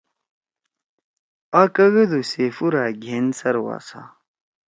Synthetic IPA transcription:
akɐɣɐd̪usefuɾaːɡʱensɐɾwa̰ːsa̰

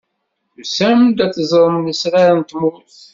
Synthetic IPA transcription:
sæmd̪æt͡sːzˤəɾˤmnəsɾaɾnt̪muθ

